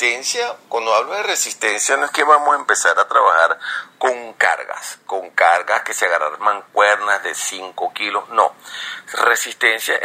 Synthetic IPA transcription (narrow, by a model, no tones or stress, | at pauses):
t̪ensjakwand̪oaβloðeresist̪ensjanoe̞skeβamosaempe̞saɾat̪ɾaβaxaɾko̞ŋka̰ɾɣa̰sko̞ŋkaɾɣaske̞seaɣara̰ɾmaŋkweɾnazðesiŋkokilosno̰ | resist̪ensja